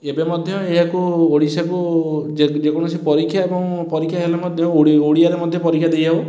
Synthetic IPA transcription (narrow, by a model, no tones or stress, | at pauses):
ebemɔd̪ʱjɔeɦakuoɽisaku | d͡ʒekɔɽ̃ɔsipɔɾikʰːjaebɔŋpɔɾikʰjaɦelemɔd̪ʱjɔoɽiaɾemɔd̪ʱjɔpɔɾikʰjad̪ejd͡ʒaw